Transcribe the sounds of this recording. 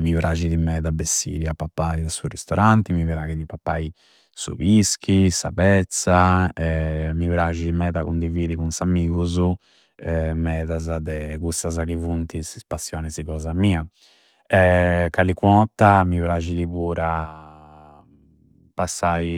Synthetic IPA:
mivɾʔaːd͡ʒiðimɛːðabesḭɾiapːapːaiasurist̪ɔɾʔant̪imivɾaɡiðipapːaːi | sṵβiskʰisa̰pɛt̪saɛmivɾaːd͡ʒiðimɛːðakund̪iviːðikunsamiːɣuzu | ɛmɛːðazad̪ɛkust̪azakivunt̪isispasːjɔːnɛziɣɔːzamiːa | ɛkalikwɔt̪ːamivɾad͡ʒiðiβuːɾa | pasːai

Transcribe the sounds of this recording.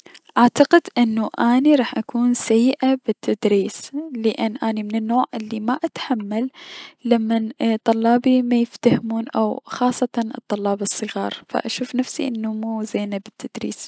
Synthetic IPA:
ʔʔaʕt̪ɑqɪd̪ʔɪnːuʔaːniɾˤɑːħʔakuːnsajːʔabɪt̪ːad̪ɾiːslɪʔɪnːʔaːnimɪnɪnːoːʕʔɪlːimaʔat̪ħamːalːamːant̪ˤːʊlːɑːbimajɪft̪ahmuːnʔa̰wxɑːsˤːɑt̪ɑnɨ̰t̪ˤːɑlːɑːbɨsˤːɨɣɑːɾˤfa̰ʔa̰ʃuːfnafsḭʔɪnːumuzeːnabɪt̪ːad̪̥ɾḭːs

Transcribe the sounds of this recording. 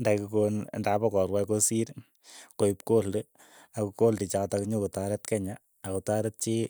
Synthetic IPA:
ndajkukonndapakɔɾwajkosiɾ | koipkolde | akukoldit͡ʃatakɲokutaɾɛtkɛɲaː | kutaɾɛt̚t͡ʃi

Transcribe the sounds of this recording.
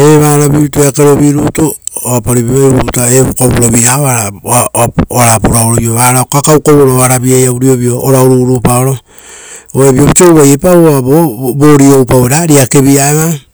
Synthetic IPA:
eβaːɾaβiβitoeakeɾo̞βiɾutooapoɾiβiajɾuutaekobuɾoβiɾaoaɾa | aɾapuɾaoɾojoβaɾaokakawkoβoɾoaɾabiajauɾio̞βiooɾaoɾuɾupaoɾo | oebiobit͡ʃowβajepaβoaboboɾiowpaeɾaɾiake̞biaeβa

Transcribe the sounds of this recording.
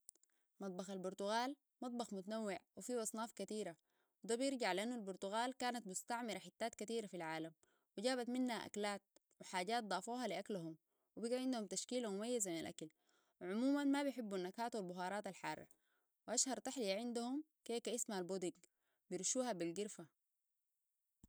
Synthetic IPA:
mɑt̪̚ˤbɑxalbʊɾˤt̪uɣaːl | mɑt̪̚ˤbɑxmut̪anawːɪʕwifiːʔɑsˤnɑːfkat̪iːɾa | wid̪aːbjɪɾɟaʕliʔanːualbʊɾt̪uɣaːlkaːnat̪mʊst̪aʕmiɾaħɪt̪ːaːt̪kat̪iːɾafilʕaːlam | wiɟaːβat̪minːhaʔa̰klaːt̪̚ | wiħaːɟaːt̪̚d̪ˤɑːfuːɦɑliʔaklaɦum | wibiɡaʕɪnd̪uhumt̪aʃkiːlamumajːazaminalʔa̰kal | wʕʊmuːmanmabjħɪbːunːakaːt̪walbʊɦɑːɾˤɑːt̪alħɑːrˤːɑ̰ | wʔaʃhɑɾˤt̪aħlijaʕɪnd̪ahum | keːkaʔismaalboːd̪iɡ | bijiɾʃuːhabilɡiɾfa

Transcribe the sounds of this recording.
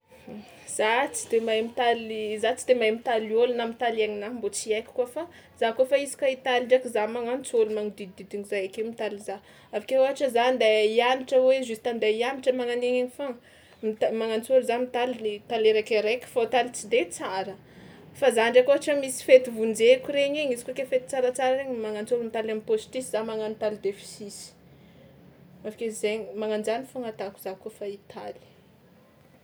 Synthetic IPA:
z̥at͡si̥d̪emajmit̪alizat͡sid̪emajmit̪aliolunamit̪alaɲinambot͡siajkʲi̥kofa | z̥akofaizi̥kait̪aliɳɖ͡ʐakizamaŋant͡solumaŋid̪id̪id̪iŋizajakewmit̪aliza | avakeoɦaʈ͡ʂəzand̪aianiʈ͡ʂəweʒusi̥t̪and̪aiamiʈ͡ʂəmaŋaneŋeŋifaŋ | mit̪amaŋant͡soɾizamit̪alit̪aleɾekeɾekʲfot̪alit͡sid̪et͡saɾə | fazaɳɖ͡ʐakoɦaʈ͡ʂəmisi̥fet̪ivund͡zekʲuɾeɲeɲizi̥kokefet̪i̥t͡saɾat͡saɾaɾeɲmaŋant͡suɾumit̪alamipost̪isizamaŋanit̪alid̪efi̥sisi̥ | avakezeɲimaŋand͡zanifuŋat̪aku̥z̥akufait̪ʰali̥

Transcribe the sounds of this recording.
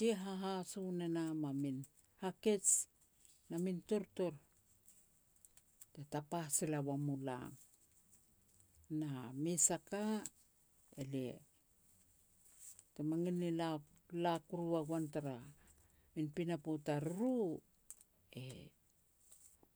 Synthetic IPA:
tieɦaɦasunenamamin | hake̞t͡ʃ | namintoɾto̞ɾ | tetapasilawamula̰m | namisaka | ḛlḛ | temaŋinila | lakuɾuaɡwantaɾa | minpinapotaɾuɾu | ḛ

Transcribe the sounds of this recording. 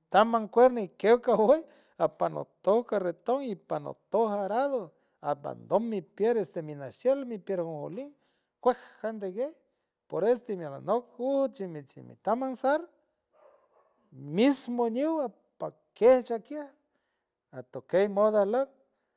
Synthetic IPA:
t̪amaŋkʷeɾnaikewkawej | apano̰t̪ohkaret̪oŋipano̰t̪ohaɾaðo | apa̰nd̪ommːipjeɾest̪eminasjelmipjeɾhuŋholiŋ | kʷehhand̪eɡej | poɾest̪emiala̰nokuht͡ʃimit͡ʃimḭt̪amansaɾ | mismoɲiwa | pa | keht͡ʃakjeh | at̪okejmoðalak̚

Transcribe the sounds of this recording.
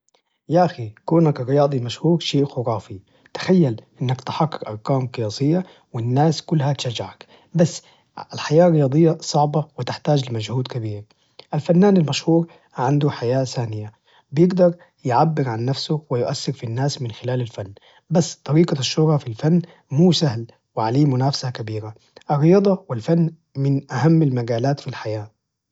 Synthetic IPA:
jaʔaxikuːnakrːɪjɑːd̪ˤilmaʃhuːɾʃeːʔxʊɾɑːfi | t̪ḁxajːalʔɪnːakt̪ħakːɪɾʔɑɾˤkaːmqɨjɑːsˤɪjːa | wɪnːaːskʊlːhat̪ʃad͡ʒaʕak | basː | alħajaːrːɪjɑːd̪ˤɨjːɑsˤɑʕbɑwɪt̪ɪħt̪aːd͡ʒlɪmad͡ʒhuːd̪kabiːɾ | ʔalfanːaːnalmaʃhuːɾ | ʕand̪uħajaːθaːnɪja | bɪjɪɡd̪ɑɾˤ | jʕabːɪɾʕanːafsʊwɪjʊʔasːɪɾfinːaːsmɪnxɪlaːlalfanː | basːt̪ˤɑɾiːqaʃːʊhɾˤɑfilfanː | muːsahl | wɪʕaliːmʊnaːfsakabiːɾa | ʔɪrːɪjɑːd̪ˤɑwɪlfanː | mɪnʔahamːalmaɡaːlaːt̪filħajaː

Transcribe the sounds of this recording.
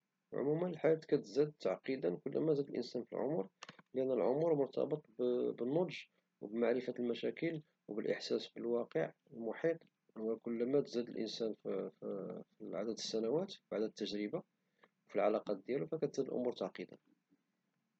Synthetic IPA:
ʕʊ̰mumənəlħaæt̪kæt̪zæd̪̚t̪aʕqid̪ənkʊlːmæzæd̪əlʔə̰nsænfilʕʊ̰muɾlʔənːəlʕʊmuɾmʊɾˤt̪ʰɑ̰bət̪ˤbbənːod̪ʒ | wbmaʕɾəfælmæʃækəl | wbəlʔə̰ħsæsbəlwɑqəʕəlmʊħit̪ˤ | wækʊlːmæt̪zæd̪əlʔə̰nsænfffiʕa̰d̪æd̪əsːænæwæt̪baʕd̪æt̪ːəʒɾəba | wfilʕalɑqɑt̪̚d̪jælufækæt̪zæd̪əlʔʊ̰muɾt̪aʕqid̪ə̰n

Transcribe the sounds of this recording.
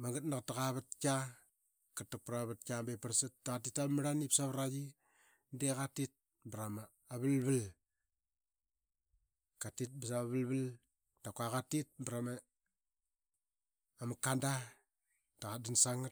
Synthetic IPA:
maŋɡat̚naktːaɣaβat̚ka | katːak̚pɾaβat̚kʲambepaɾsattakatitamaɾanipsaβɾad͡ʒi | ndekatit̚ | bɾamaː | βəlbəl | katit̚bas̬aβəlbəl | takwakatit̚bɾama | makanda | taɣadinsaŋat̚

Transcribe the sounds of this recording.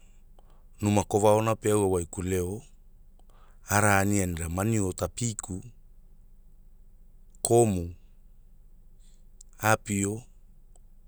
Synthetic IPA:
numako̞vaonapeawawajkule̞o | aɾaːnianiɾamaniotapikʰu | kʰo̞mu | apio

